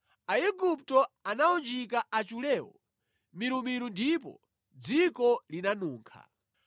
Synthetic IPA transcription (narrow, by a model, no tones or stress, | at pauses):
aɛɡup̚tɔanaɔnd͡ʒik̬aʔat͡ʃulɛːwɔ̰ | miɾumiɾundipɔ̰ | d͡zikɔlinanuːŋkʰa̰